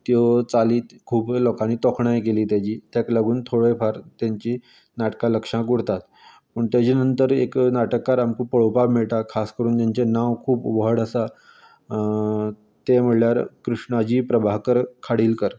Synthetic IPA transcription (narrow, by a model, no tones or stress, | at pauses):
t̪iot͡saliːkʰuːblɔkaniːt̪ɔkʰɳajekeliːt̪jat͡ɕiːt̪jakləɡuːnt̪ʰoɽefaɾt̪jaɲt͡ɕiː | naʈkaləkʂãɡuɽt̪at̪ | pəɳt̪jat͡ɕinənt̪əɾeknaʈəkːaɾamkupəɭopabmiɭt̪akʰaskəɾuːnt̪aɲt͡ɕenaʋkʰuːpʋəɦəɽəsa | t̪em̤əɽljaɾkɾuʂɳad͡ʑiːpɾəbaɦkəɾkʰaɽiːlkəɾ